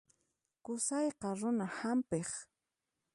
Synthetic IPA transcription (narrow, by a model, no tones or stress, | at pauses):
kʊsɑjqɑɾʊnahampeχ